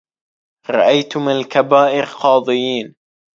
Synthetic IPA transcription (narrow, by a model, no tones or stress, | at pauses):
ɾˤɑʔajt̪ʊmɪalkabaːʔɪɾqɑːðˤɨjiːn